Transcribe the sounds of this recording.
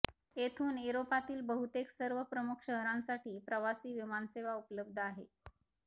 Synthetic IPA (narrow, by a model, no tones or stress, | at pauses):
et̪ʰuːnuɾopat̪iːlbəɦut̪eksəɾʋəpɾəmukʰɕəɦɾãnsaʈiːpɾəʋasiːʋimanseʋaupələb̚d̪ʱəaɦḛ